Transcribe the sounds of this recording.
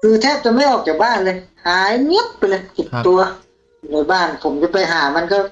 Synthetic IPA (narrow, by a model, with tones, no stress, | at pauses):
kʰɯː˧t̪ʰɛː˧˥˩p̚t̪ɛː˧˩ma˧˥˩jʔɔː˨˩k̚t͡ɕaː˨˩k̚baː˧˥˩nlɤː˧˩jhaː˨˦jŋɯ˦˥p̚pːa˧˨jlɤː˧˦jki˨˩t̚t̪u˧ɐ | nu˧˩˨jbaː˧˩npʰo˨˩˦mt͡ɕa˧˩pa˧˩jɦaː˩˦ma˧˥˨nka˧˩